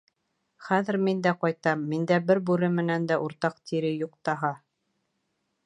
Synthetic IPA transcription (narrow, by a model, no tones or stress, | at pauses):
χæðɘ̆ɾmind̪æqɑjt̪ɑmːind̪æbɘɾbʉɾɘmɘ̆nænd̪æʔuɾt̪ɑq̚t̪ʰiɾɘjuqt̪ɑɦɑ